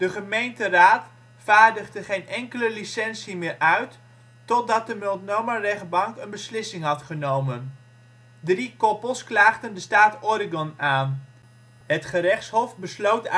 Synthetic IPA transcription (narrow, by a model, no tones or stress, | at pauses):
d̥əχəmejntəraːt | faːɹdəχdəχejnɛŋkələlisɛnsimɪːɹʔœɥtː | ɔt̚dɑt̚dəmɪlˠtnowmarɛχ̚bɑŋkənbəslɪsɪŋɦɑtχənowmən | drikɔpəlˠsklaːχdəndəstaːtɔrɪɡɔnaːn | ɦətχərɛχtshɔfbəslowt